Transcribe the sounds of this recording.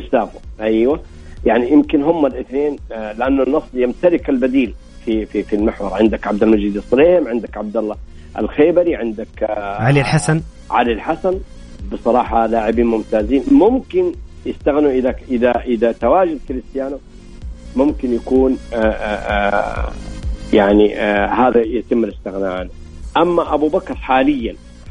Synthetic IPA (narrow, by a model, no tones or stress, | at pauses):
ɪʃtaːfʊʔajwa | jaʕnijɪmkɪnɦʊmːalʔɪθneːnlɪʔanːʊnːɑsˤljamt̪alɪkalbad̪iːl | fififilmɪħwɑɾˤʕɪnd̪akʕab̚d̪almad͡ʒiːd̪isˤleːhɪmʕɪnd̪akʕab̚d̪alːɑ | ʔɪ̰lxeːbaɾiʕɪnd̪akʕalilħasan | ʕa̰lɪlħasan | bɨsˤɑɾˤɑːħɑlaːʕɪbiːnmʊmt̪aːziːnmʊmkɪnjɪst̪aɣnuʔɪðaʔɪðaʔɪðat̪awaːd͡ʒad̪kɪlɪst̪ɪjaːnu | mʊmkɪnjakuːn | jaʕnihaːðajat̪ɪmːɪlɪst̪ɪɣnaʕani | ʔamːaʔabubakɾˤħaːlɪjːan